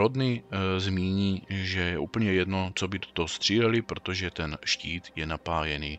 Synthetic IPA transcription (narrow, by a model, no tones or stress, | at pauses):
ɾod̪nɪzmiːɲiːʒɛjɛʔuːpl̩ɲɛjɛdnot͡sobɪt̪o̥t̪ost̪r̝̥iːlɛlɪpɾot̪oʒɛt̪ɛnʃciːt̪jɛnapaːjɛniː